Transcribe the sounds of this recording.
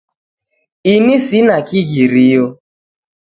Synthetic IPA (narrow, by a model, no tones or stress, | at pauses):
inisinakiɣiɾijo